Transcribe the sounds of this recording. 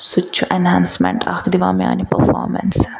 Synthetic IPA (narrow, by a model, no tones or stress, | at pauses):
sʊt͡ʃʰuʔɛnɦãːnsmɛ̰̃ɳʈa̰kd̪iʋãːmia̰ːnipəɾfɔ̰ːɾmɛ̰ns